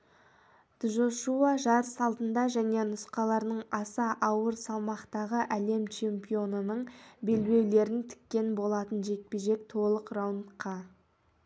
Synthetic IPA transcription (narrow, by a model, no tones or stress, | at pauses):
d̪̥ʒoʃuɑʒɑɾəsɑlˠt̪ənd̪ɑʒæne̞nʊsqɑlˠɑɾnəɴɑsɑʔɑwəɾsɑlˠmɑqt̪ɑʁəʔæle̞mt͡ʃʰe̞mpʲijo̞nənəɴbe̞lbe̞wle̞ɾɪnt̪ʰɪ̥kʲːe̞nbo̞lˠɑt̪ənʒe̞k̚peʒe̞k̚t̪ʰo̞lˠəqrawnt̪qʰɑ